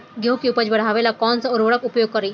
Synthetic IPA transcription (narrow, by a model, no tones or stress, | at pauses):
ɡʱjokiupəd͡ʑbəɽ̤aʋelakɔnt͡sauɾʋəɽəpupjoɡ̚kəɾiː